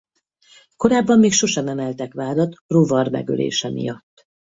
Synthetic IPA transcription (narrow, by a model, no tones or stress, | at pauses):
ko̞ɾaːbːɒmːiːkʃo̞ʃɒnɛmɛlt̪ɛkʋaːd̪ɒt̪rovɒrmɛ̰ɡø̰lḛːʃɛmḭjɒt̪ː